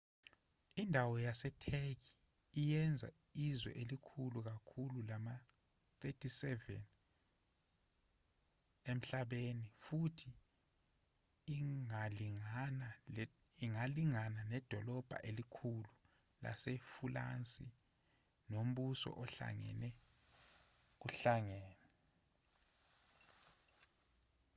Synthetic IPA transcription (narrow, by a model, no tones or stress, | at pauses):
indʱawɔjasɛtʰek̬iː | jɛnd͡zʱa̰ | izwɛ̰ʔelikʰuluk̬akʰululama | θetʰisɛvɛ̰n | em̩ɬaɓenifutʰi | ŋaiŋana | iŋaliŋananɛd̥ʱɔlɔb̥ʱa̰ʔelikʰulu | la̰sefula̰nt͡sʼi | nom̩ɓusɔ̰ʔɔɬa̰ŋɛ̰nɛ | k̬uɬaŋɛːnɛ